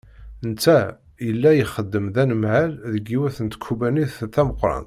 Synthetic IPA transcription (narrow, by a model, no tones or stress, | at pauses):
ənt͡s̪ːæ | jəlːæjiχəd̪ːəmðænəmʕalðəɡːiwæθənt̪kʰːubæniθθæməqːɾˤɑ̰n